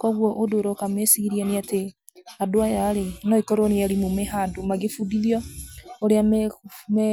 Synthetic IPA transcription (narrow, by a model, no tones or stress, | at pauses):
kɔɣwɔʔodoɾɔkamesiɣiɾianeate | adoajaɾenɔikɔɾoniaɾimomeɦandomaɣefudiðjɔoɾeammɛ